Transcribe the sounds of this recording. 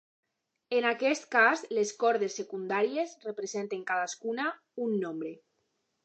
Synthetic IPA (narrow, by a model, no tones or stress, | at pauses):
enakɛst̪kazleskɔɾðesːekund̪aɾiezrepɾezent̪eŋkaðaskuna | unːombɾe